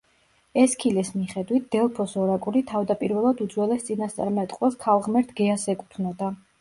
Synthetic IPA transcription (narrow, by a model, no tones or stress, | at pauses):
ɛskʰilɛsmiχɛd̪wit̪̚ʰd̪̥ɛlˠpʰɔsɔɾakʼuɾit̪ʰavd̪apʼiɾvɛlˠad̪ud̪zwɛlɛst̪sʼinast̪sʼa̰ɾmɛt̪ʼqʼwɛskʰalˠʁmɛɾt̪ʰɡɛasɛkʼut̪ʰnɔd̪a